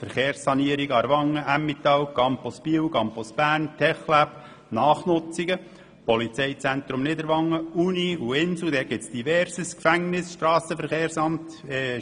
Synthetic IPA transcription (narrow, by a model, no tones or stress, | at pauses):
fəɾχeːɾsɑniəɾiɡɑɾʋɑŋːəʔæmːit̪ɑwkɑmpɔspiəwkɑmpɔsb̥æːrntʰɛχlæp | nɑːχnʊt͡siɡə | pɔlit͡seɪt͡sænt̪ɾʊmnɪd̪əɾʋɑŋːəuniuɪnsl̩d̪ɛɡ̥ɪt͡sd̪̥ivɛɾsəskfæŋnɪsʃtrɑːsəfəɾχeːɾsɑmt̪ɛ